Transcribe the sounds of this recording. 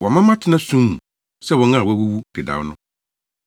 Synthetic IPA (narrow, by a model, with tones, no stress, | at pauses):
wɔ˨mã˦mã˦tʰɪ˦nã˦sũ˦m˨ | sɛ˦˨wɔ̃˨˦ŋã˦˨wɔ˦wu˦wu˦d̥ɪ˨da̰˨˦nʊ̃˦